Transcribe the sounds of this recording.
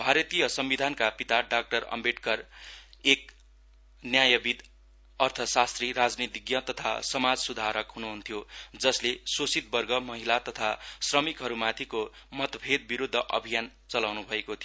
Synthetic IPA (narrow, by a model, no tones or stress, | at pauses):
bʱaɾʌt̪ijʌsʌmbid̪ʱankapit̪aɖak̚ʈʌrʌ̰mbeʈkʌrek̚ | njajʌbid̪ | ʌrt̪ʰʌsast̪riɾad͡znit̪iɡjʌt̪ʌt̪ʰa̰sʌmad͡zsud̪ʱaɾʌkɦunuɦunt̪ʰijod͡zʌslesosit̪̚bʌrɡʌmʌɦilat̪ʌt̪ʰasrʌmikɦʌɾumat̪ʰiko | mʌt̪pʰed̪̚ʱbiɾud̪ʱːʌʔʌ̰bʱijan | t͡sʌlawnubʱʌekot̪ʰijo